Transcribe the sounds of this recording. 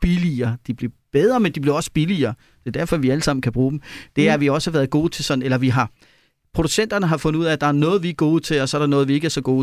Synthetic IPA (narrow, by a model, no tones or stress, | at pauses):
b̥iliɐːd̥ib̥liɐb̥eð̞ˠʁɐmend̥ib̥liɐɒ̽sə̥b̥iliɐː | d̥e̝ɐd̥æɐfɒ̽ʋiæləsɑ̈m̰n̩kʰæb̥ʁuːd̥m̩d̥e̝æɐʋiɒ̽sə̥hɑ̈ʋæːɐðˠɡ̥o̝ːt͡sʰe̝lsɒ̽d̥n̩elɐʋiɦɑ̈ | pʰʁo̝d̥usen̰d̥ɐnəɦɑ̈fɔ̽nəuð̰ˠæd̥ɑ̈æɐnɔ̽ːð̞̩ˠʋiɡ̥o̝ːð̩ˠt͡sʰe̝lɒ̽sɒ̽ɐɾ̥ɑnɔ̽ːð̞̩ˠʋie̝ɡ̥æɐsɒ̽ɡ̥o̝ː